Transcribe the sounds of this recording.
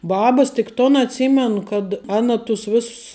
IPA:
ˈbɑːbɐs tʲɪk ˈtoːn ɐtʲˈsʲiːmʲɛnʊ kɐt ˈɑːnɐ tʊs ˈʋʲeːss

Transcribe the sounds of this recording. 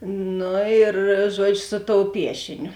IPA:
ˈnʊ ɪr ˈʒuɔd͡ʒʲʊ sʊ toːʊ ˈpʲiɛʃʲɪnʲʊ

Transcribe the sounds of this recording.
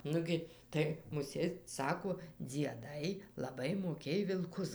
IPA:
ˈnʊɡʲɪ ˈtɐɪ mʊˈsʲeːt ˈsɑːkoː d͡zʲiɛˈdɐɪ lˠɐˈbɐɪ moːˈkʲeːj ʋʲɪlˠˈkʊs

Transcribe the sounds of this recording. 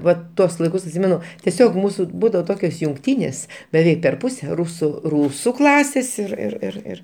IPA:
ˈʋɐ ˈtuɔs lˠɐɪˈkʊs ɐtʲˈsʲɪmʲɛnʊ tʲiɛˈsʲoːk ˈmuːsʊ ˈbuːdɐʋoː ˈtoːkʲoːs jʊŋkˈtʲiːnʲeːs bʲɛˈʋʲɛɪk pʲɛr ˈpʊsʲɛ ˈrʊsʊ ˈruːsʊ ˈklˠɑːsʲeːs ɪr ɪr ɪr ˈɪr

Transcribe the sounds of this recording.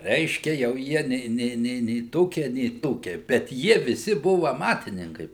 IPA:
ˈrʲɛɪʃʲkʲɛ jɛʊ ˈjiɛ nʲɛɪ ˈnʲɛɪ nʲɛɪ nʲɛɪ ˈtoːkʲiɛ nʲɛɪ ˈtoːkʲiɛ bʲɛt ˈjiɛ ʋʲɪˈsʲɪ ˈbʊʋʊ ɐˈmɑːtʲɪnʲɪŋkɐɪ

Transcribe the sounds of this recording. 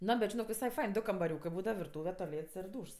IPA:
ˈnoː bʲɛt ʒʲɪˈnoːk ʋʲɪsɐɪ ˈfɐɪn ˈdʊ kɐmbɐˈrʲuːkɜ ˈbuːdɐʋɐ ʋʲɪrˈtuːʋʲɛ toːˈlʲeːts ɪr ˈduːʃs

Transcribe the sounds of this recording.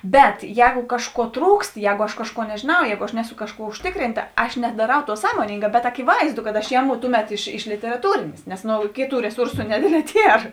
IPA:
ˈbʲɛt ˈjɛːɡʊ ˈkɑːʃˌkuɔ ˈtruːkst ˈjɛːɡʊ ɐʃ ˈkɑːʃˌkuɔ nʲɛʒʲeːˈnɐʊ ˈjɛːɡʊ ɐʃ ˈnʲæːˌsʊ ˈkɑːʃˌkuɔ ʊʃʲˈtʲɪkrʲɪntɐ ˈɐʃ nʲɛdɐˈrɐʊ ˈtuɔ ˈsɑːmoːnʲɪŋɡɑː bʲɛt ɐkʲɪˈʋɐɪzdʊ kɐt ɐʃ ˈjæːˌmʊ ˈtʊˌmʲɛt ɪʃ ɪʃ lʲɪtʲɛrɐˈtuːrʲeːnʲeːs nʲɛs noː ˈkʲeːˌtuː rʲɛˈsʊrsʊ nʲɛˈdʲeːdʲˌlʲɛː ˈtʲiɛr

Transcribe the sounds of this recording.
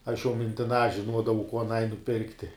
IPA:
ɐʃ jɛʊ mʲɪnʲtʲɪˈnɑː ʒʲɪnˈuɔdɐʋɐʊ kuɔ ɐˈnɐɪ nʊˈpʲɪrktʲɪ

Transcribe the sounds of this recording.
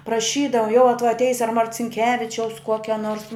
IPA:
prɐˈʃʲiːdɐʋɐ jɛʊ ɐ tuɔj ɐtʲˈɛɪs ɐ mɐrʲt͡sʲɪŋʲˈkʲæːʋʲɪt͡ʃʲɛʊs ˈkuɔkʲɛ noːrs

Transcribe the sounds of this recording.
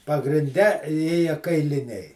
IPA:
pɐɡrʲɪnʲˈdʲɛ ˈeːjɛ kɐɪlʲɪˈnʲɛɪ

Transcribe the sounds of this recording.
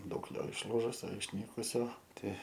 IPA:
ˈdɐʊk ˈjoː ɪʃˈlˠuːʒʊsʲoː ɪʃʲˈnʲiːkʊsʲoː ˈtʲɛɪ

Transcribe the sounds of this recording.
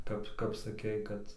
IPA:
ˈkɐp kɐp sɐˈkʲɛɪ ˈkɐt

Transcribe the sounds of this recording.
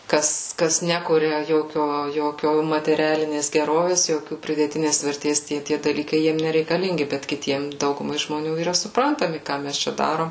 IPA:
ˈkɐs ˈkɐs ˈnʲæːkʊrʲɛ ˈjoːkʲoː ˈjoːkʲoː mɐtʲɛˈrʲæːlʲɪnʲeːs ɡʲɛˈroːʋʲeːs ˈjoːkʲuː pʲrʲɪdʲeːˈtʲɪnʲeːs ʋʲɛrʲˈtʲeːs ˈtʲiɛ tʲiɛ dɐˈlʲiːkɐɪ ˈjiɛm nʲɛrʲɛɪkɐˈlʲɪŋʲɡʲɪ bʲɛt kʲɪˈtʲiɛm ˈdɐʊɡʊmɐɪ ʒmoːˈnʲuː iːˈrɐ sʊpˈrɐntɐmʲɪ ˈkɑː mʲɛs ˈt͡ʃʲɛ ˈdɑːroːm

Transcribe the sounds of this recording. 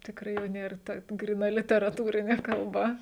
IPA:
tʲɪkˈrɐɪ jɛʊ ˈnʲeːr ˈtɐ ɡrʲiːˈnɐ lʲɪtʲɛrɐˈtuːrʲɪnʲeː kɐlˠˈbɐ

